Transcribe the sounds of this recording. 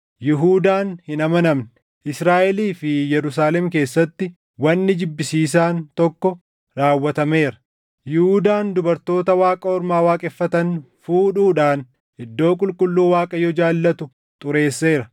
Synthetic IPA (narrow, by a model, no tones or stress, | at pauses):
jɪɦuːd̪aːnhɪnɐmɐnɐmn | ʔɪsɾaːʔɛliːfɪjɛɾʊs̬aːlɛmk̬e̞ːsːɐt̪ːɪ | wɐnːɪd͡ʒɪbːɪsiːs̬aːnt̪ɔkːɔ | ɾaːwːɐt̪ɐmeːɾɐ̥ | jɪhuːd̪aːnd̪ʊbɐɾt̪o̞ːt̪ɐwaːkʼɐɔɾmaːwaːkʼɛfːɐt̪ɐn | fuːᶑuːᶑaːn | ɪd̪ːo̞ːkʼʊlkʼʊlːuːwaːkʼɐjɔd͡ʒaːlːɐt̪ʊ | t̪ʼʊɾe̞ːsːe̞ːɾɐ